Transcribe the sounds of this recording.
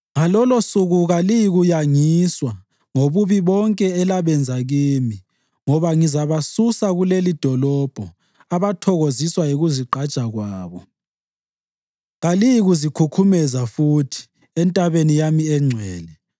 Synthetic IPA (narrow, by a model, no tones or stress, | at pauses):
ŋalɔlɔsuɣuɣalijiɣujaŋiswa | ŋoβuβiβɔŋkʼɛɛlaβɛnd͡zʱaɣiːmi | ŋɔβaŋizaβasusaɣulelid̥ʱɔlɔb̥ʱɔ | aβatʰɔɣoziswajiɣuziǃʱad̥t͡ʃʼaɣwaːβɔ | ɣalijiɣuzikʰukʰumɛzafuːtʰi̥ | ɛntʼaβenijamiɛŋ͡ǀʱwɛːlɛ